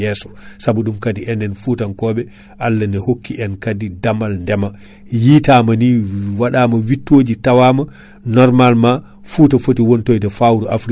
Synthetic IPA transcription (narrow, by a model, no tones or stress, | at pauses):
ɛsɔ̥sabuɗumkadiʔɛndɛnfutankɔːɓɛ | ʔalːandɛhokːiʔɛnkadidamalndɛma | jiːtamaniwaɗaːmawitːoːd͡ʒitawama | nɔɾmalma | futafotiwontojdɛfawɾuʔa̰fɾi